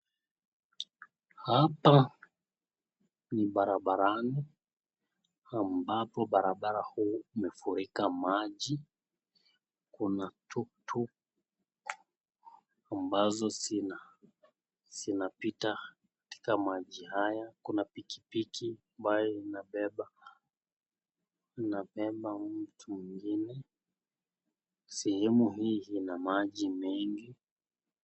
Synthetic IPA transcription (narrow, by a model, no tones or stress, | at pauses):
hapa | niɓaɾaɓaɾani | ambapɔɓaɾaɓaɾahuːumɛfuɾikamaʄi | kunatʰutʰu | ambazɔina | z̥inapita | kḁti̥kamaʄihajakunapiki̥pikʰiambajɔinaɓɛɓa | napɛɓamm̩tʰumiŋɡinɛ | sɛhɛmuɦiːinamaʄimɛŋɡi